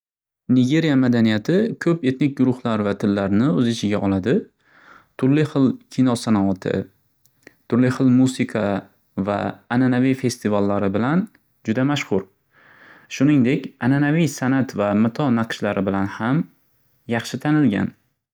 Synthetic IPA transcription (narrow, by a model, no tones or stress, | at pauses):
nɪɡʲe̞ɾijamad̪anijat̪ʰɪkʲʰɵpe̞t̪nɪk̚ʲɡʊɾʊχlˠaɾvat̪ʰɪlːaɾnɪɵzɪt͡ʃʰɪɡʲaʔɒlˠad̪ɪ | t̪ʰʊɾlɪχɨlˠkʲʰinɒsanaat̪ʰɪ̰ | t̪ʰʊɾlɪχɨlˠmusɪkʰa | va̰ːnanavijfe̞st̪ʰivalːaɾɪbɪlan | d͡ʒʊd̪amaʃχʊɾ | ʃʊnɪŋd̪e̞kʲananavijsanat̪vamɪt̪ʰɒnaqʃlaɾɪbɪlanham | jɑχʃɪt̪ʰanɪlɡʲa̰n